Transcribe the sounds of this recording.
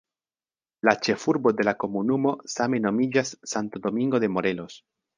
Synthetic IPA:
lat͡ʃe̞fuɾbo̞d̪e̞lako̞munumo̞same̞no̞mid͡ʒasːant̪od̪o̞miŋɡo̞d̪e̞mo̞ɾe̞lo̞s

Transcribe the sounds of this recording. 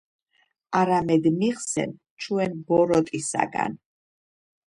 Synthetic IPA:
aɾamɛd̪miʁsɛ̰n | t͡ʃʰwɛnbɔɾɔt̪ʼisa̰ɡa̰n

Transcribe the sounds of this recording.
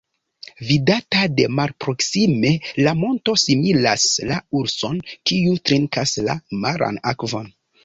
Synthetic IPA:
vidatade̞malpɾo̞ksime̞lamo̞nto̞similaslauɾso̞nkiutɾeŋkasla̰maɾʔa̰nakvo̞n

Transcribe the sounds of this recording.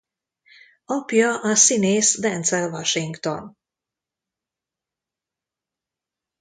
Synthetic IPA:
ɔpjoʔasinesd̪ɛnt̪sɛlvaʃiŋɡt̪ɔ̰n

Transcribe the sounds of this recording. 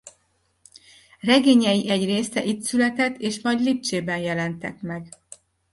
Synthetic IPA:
rɛɡeːɲɛjiʔɛɟreːsɛʔit̪sylɛt̪ɛt̪ːeːʃmɒɟliːp̚t͡ʃeːbɛnjɛlɛnt̪ɛkmɛɡ

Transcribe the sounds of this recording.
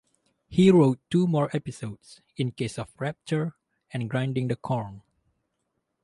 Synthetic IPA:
hiɹotːumɔɹʔɛpisods | ĩnkesɔfɹɛp̚t͡ʃəɹ | ɛ̃nɡɹãjndɪ̃ŋdəkʰɔɹn

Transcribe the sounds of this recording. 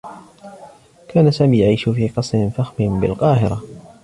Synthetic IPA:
kʰaːnasaːmiːjaʕiːʃfiːqɑsˤɾɪnfaxmɪnbɪ̰lqɑːhɪɾˤa

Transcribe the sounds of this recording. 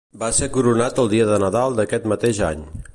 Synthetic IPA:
basekuɾunat̪əlˠd̪iəðənəðalˠd̪əkɛt̪mət̪eʒa̰ɲ

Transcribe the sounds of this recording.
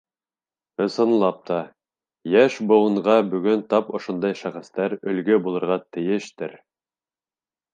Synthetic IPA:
ɤ̆sɤ̆nlˠɑp̚t̪ɑ | jæʃbŏwɤ̆ɴʁɑbɵ̆ɡɵnt̪ɑpŏʃond̪ɑjʃæχɘ̆st̪æɾɵ̆lɡɵbulˠɤ̆ɾʁɑt̪ɘ̆jɘʃt̪ɘɾ

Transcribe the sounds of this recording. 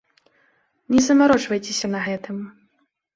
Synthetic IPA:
nʲɛzɐmaɾɔt͡ʂvɐjt͡sʲesʲɐnɐɣɛt̪ɨm

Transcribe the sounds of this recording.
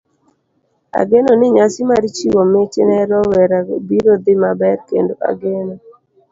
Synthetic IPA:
a̰ɡenɔnɪɲasɪmaɾit͡ʃiwomet͡ʃɪnɛɾɔwɛɾabiɾod̪ɪmabɛɾkḛndoʔa̰ɡenɔ

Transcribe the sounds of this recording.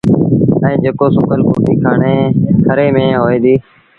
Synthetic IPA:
əĩːd͡ʒeːkoːsʊkəlkoːʈiːkʰaːɳeːkʰəɾeːmẽːɦoːeːd̪iː

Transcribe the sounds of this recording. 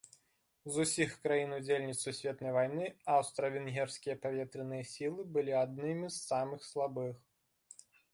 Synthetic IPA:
zusʲixkɾajinud͡zʲelʲnʲit̪susʲvʲɛt̪nɐjvajnɨawst̪ɾɐvʲinɦʲɛrsʲkʲijɐpavʲɛt̪ɾɨnɨjɐsʲilˠɨbɨlʲiad̪̚nɨmʲisːamɨxslˠabɨx

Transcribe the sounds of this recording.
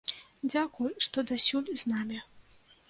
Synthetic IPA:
d͡zʲakujʂt̪ɔd̪asʲulʲznamʲi

